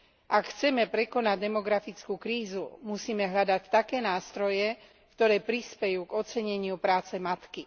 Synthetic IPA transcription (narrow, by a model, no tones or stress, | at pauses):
ʔakxt͡sɛmɛpɾɛkɔnaɟd̪ɛmɔɡɾafit͡skuːkɾiːzumusiːmɛɦʎad̪act̪akɛːnaːst̪ɾɔjɛ | kt̪ɔɾɛːpɾispɛjuːɡɔt͡sɛɲɛɲɪupɾaːt͡sɛmat̪ki